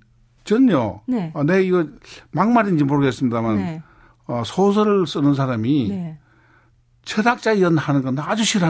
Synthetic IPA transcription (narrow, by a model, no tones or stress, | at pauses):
t͡ɕʌnjonneiɡʌmaŋmaɾind͡ʑimoɾɯɡe̞s͈ɯmɲidaman | ʌsʰos̬ʰʌɾɯɭs͈ɯnɯns̬ʰaɾami | t͡ɕʰedak̚t͡ɕ͈aiʌnhanɯnɡʌnaad͡ʑuɕʰiɾɯɦa